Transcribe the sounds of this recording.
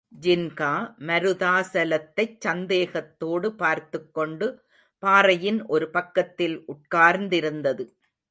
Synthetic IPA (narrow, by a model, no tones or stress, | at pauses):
d͡ʒɪnkaːmɐɾɯðaːsɐlɐt̪ːɐɪt͡ʃsɐnd̪eːɣɐt̪ːoːɽɯpaːɾt̪ɯkːɔɳɖɯ | paːɾɐjɪnʔɔɾɯpɐkːɐt̪ːɪlʔʊʈ̚kaːɾnd̪ɪɾɯnd̪ɐðɯ